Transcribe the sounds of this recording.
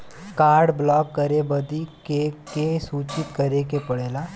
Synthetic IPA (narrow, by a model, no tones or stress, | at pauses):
kaːɾɖblɔːkːɐɾebɐd̪ikekesuːt͡ʃɪt̪kɐɾekepɐɽeːlaː